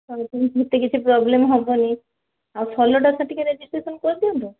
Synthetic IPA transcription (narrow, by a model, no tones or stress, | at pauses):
tɔtont̪et̪ːekit͡ɕʰupɾɔblemɦɔboni | awfʰɔloʈasʰaʈikeɾed͡ʑisʈesonkoɾd̪iont̪o